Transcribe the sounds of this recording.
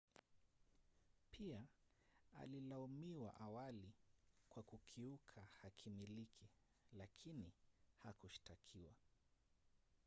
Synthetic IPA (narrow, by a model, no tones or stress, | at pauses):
pʰia | a̰lilaumiwa̰ʔawalikwakukʰiukʰahakʰimilikʰi | lakʰinihakuʃi̥takʰiwa